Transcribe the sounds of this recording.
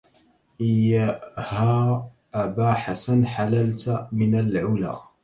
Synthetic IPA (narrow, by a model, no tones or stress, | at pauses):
ʔɪjahaː | ʔabaːħasanħalalt̪mɪnalʕʊla̰ː